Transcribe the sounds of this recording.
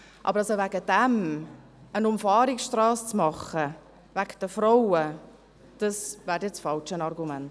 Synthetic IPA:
ʔɑ̰bəɾɑsovaɡəd̥ɛm | ənʊmfɑːɾiksʃtrɑːst͡smɑχə | vækd̥əfɾoʊə | d̥ɑsvæːɾtjɛt͡sfɑlt͡ʃənɑrɡumɛnt

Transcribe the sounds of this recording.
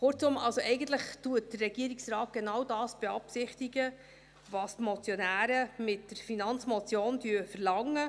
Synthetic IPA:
χʊrt͡sʊmɑlsoʔɛjɡən̩tləχtuət̚d̥ərːɛɡ̥iəɾiksrɑːt̚ɡ̥enɑwdɑːsb̥eɑpsɪχtiɡə | vɑːstmɔt͡sjɔnæːɾəmɪtd̥əɾfinɑnt͡smɔt͡sjoːndyəfəɾlɑŋːə

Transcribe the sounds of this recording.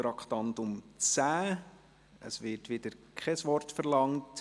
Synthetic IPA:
ɾɑkχtɑntʊmt͡sæː | ə̰sʋɪtʋɪd̪əɾkʰɛsʋɔrtfəɾlɑŋt

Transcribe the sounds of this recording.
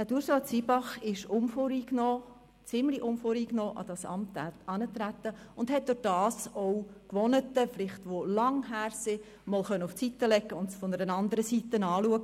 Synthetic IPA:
ætuːɾsɑːt͡sibɑχɪʃʊmfoːɾiːknɔː | t͡sɪmliʔʊmfoːɾiːknɔːʔɑ̰d̥ɑsɑ̰mt̪ɑnət̪ɾæt̪ːəʊndhɛt̚d̥ʊɾd̥ɑːsoʊkʋɔnətəflɪχtʋolɑŋɦæːɾsɪ | mɔlχœnːəʊft͡sitːəlɛɡːəʊntsfɔnəɾənɑnd̪əɾəsitːənɑːluəɡə

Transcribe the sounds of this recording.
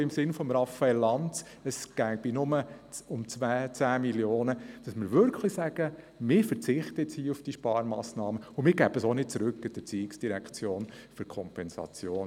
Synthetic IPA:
ɪmsɪnfɔmɾɑfːɑɛlːɑnt͡s | əsɡ̥æb̥inʊməʊmt͡sʋæːt͡sæːmiljoːnəd̥ɑsmɪɾʋʏɾkʰlisæɡ̥ə | mɪɾfəɾt͡sɪχtət͡shiːufd̥iʃpɑːɾmɑːsnɑːməʊmɪːɾɡæb̥əsonɪt̚t͡sɾʏkːɪd̥ət͡siːɪksd̥iɾækʰt͡sjoːnfyɾkʰɔmpɛnsɑ̰t͡sjoːn

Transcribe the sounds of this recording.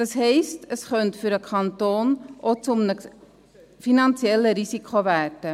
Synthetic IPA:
d̥ɑsɦɛɪstəsχœntfyɾəkʰɑntoːnʔot͡sʊmnə | finɑnt͡sjɛlːəɾisikʰχoværd̥ə

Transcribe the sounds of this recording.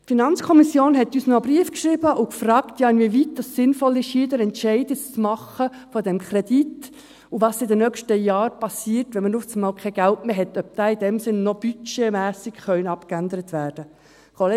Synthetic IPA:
tfinɑnt͡skʰɔmisjoːnɦɛtyːsnɔəbɾiəfkʃɾibəʔʊkfrɑːktjɑːɪnvivit̚dɑsːɪnfɔlɪʃjiːdəɾɛntʃɛɪdɪst͡smɑχə | fɔdɛmkʰɾɛdit | uʋɑːsɪdənœkʃtəjɑːɾpɑsiːərtʋɛnmənut͡smɑːlkʰɛɡ̥æltmeːɦɛtœp̚d̥ɑːid̥ɛmsɪnːɔb̥yt͡ʃemæːsɪkχœʏnɑpkændəɾət̪ʋæːɾd̥ə | kole

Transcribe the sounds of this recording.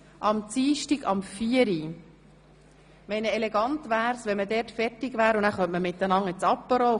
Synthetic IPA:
ʔɑmt͡siːʃtiɡɑ̰mfiəɾi | mɛnəɛlɛɡɑnt̪ʋæːɾsʋɛnmədɛːɾtfɛtɪɡʋæːɾʊnnæːχœmtməmɪt̪ːənɑŋət͡sɑpːəɾɔː

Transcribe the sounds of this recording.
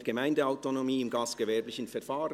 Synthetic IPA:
ɡ̥əmaɪndəaʊtonomiːɪmɡɑːstɡ̥əvɛɐblɪçən̩fɛɾfaːʁə

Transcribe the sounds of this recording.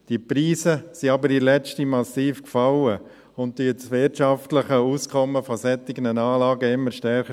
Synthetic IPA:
d̥iəpɾiːsəsiɑbəɾilɛt͡ʃtimɑsiːfkfɑlə | ʊnt̚d̥it͡sʋɪtt͡ʃɑftləχəuːskʰɔmːəfɔsɛt̪ːɪɡnənaːlɑːɡəɪmːəɾʃtɛrχə

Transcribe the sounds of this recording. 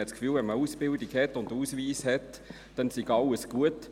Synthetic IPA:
ɛtskfyːlvɛnməuːsb̥ɪldiɡhɛtʊnduːsviːshɛt | d̥ɛnsiɡɑləsɡ̥uət

